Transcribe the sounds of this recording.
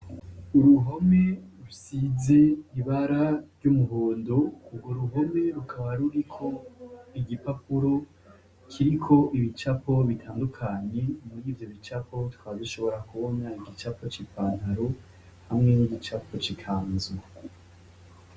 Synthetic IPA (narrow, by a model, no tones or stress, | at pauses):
uɾuɦo̞me̞ɾusize̞iβaɾaɾɟumuɦoːndouɡwoɾuɦo̞me̞ɾukʰaβaɾuɾikʰo̞iɡipapuɾo̞ | kʰiɾikʰo̞ʔiβit͡ʃapo̞βitʰaːndukʰaɲe̞muɾiːvjo̞βit͡ʃapʰo̞twaːziʃo̞βo̞ɾakuβo̞naiɡit͡ʃapʰo̞t͡ʃipaːnhaɾo | hamŋe̞niɟit͡ʃapʰo̞t͡ʃikʰaːnz